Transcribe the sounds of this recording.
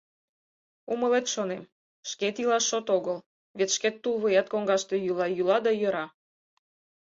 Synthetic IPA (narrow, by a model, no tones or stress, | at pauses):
uməlet̪ʃonem | ʃket̪ilɑʃːot̪oɣəl | βet̪ʃket̪ːulβojɑt̪koŋɡɑʃt̪e̽jylɑjylɑd̪ɑjə̆ɾɑ